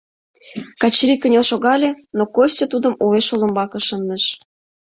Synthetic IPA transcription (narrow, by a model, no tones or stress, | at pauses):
kɑt͡ɕrʲikə̆nʲelʃoɣɑlʲenokosʲtʲet̪ud̪ə̆muveʃolə̆mbɑkɤ̆ʃənːə̆ʃ